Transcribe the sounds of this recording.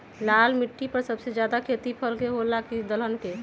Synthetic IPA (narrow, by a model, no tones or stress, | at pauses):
lalmiʈːipəɾsəbsed͡ʒjad̪akʰet̪ipʰəlkeɦolakid̪ələnke